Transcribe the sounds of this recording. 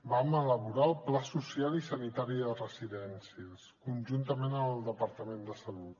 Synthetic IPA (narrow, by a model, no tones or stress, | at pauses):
bamələβuɾaəlˠplasusialisənit̪aɾiðərəziðɛnsiəskunʲʒunt̪əmenəəlˠd̪əpəɾt̪əmend̪əsəlut̪